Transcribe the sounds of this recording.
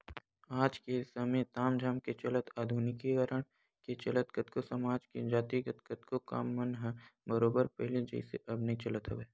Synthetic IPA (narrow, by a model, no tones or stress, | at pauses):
aːd͡ʒkesɐmet̪aːmd͡ʒʱaːmket͡ʃɐlət̪ʰaːd̪ʱuːnɪkeɡaɾəɽ̃ | ket͡ʃɐlət̪kət̪kosɐmaːd͡ʒked͡ʒaːt̪iɡət̪kət̪koka̰ːmːənɦɛ̃bəɾoːbəɾpɛɦled͡ʒə̰ɪsḛʔɐbnet͡ʃɐlət̪ɦʊʋeː